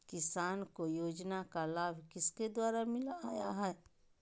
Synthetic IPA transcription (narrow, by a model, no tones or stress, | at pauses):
kɪsaːnkojoːd͡ʒnakalaːbʱkɪsked̪waːɾamɪlaaːjaɦɛː